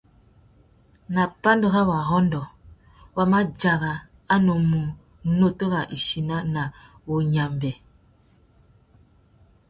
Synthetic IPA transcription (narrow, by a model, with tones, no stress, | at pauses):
na˨pa˦ndo˨ɣa˦wa˨ɦɔ˦ndɔ˨ | wa˦ma˦d͡ʒa˨ɣa˨ | a˦no˨mu˨˦ | no˦to˦ɣa˨ʔi˨ʃi˨na˦na˨ | wo˨ɲa˨mbɛ˨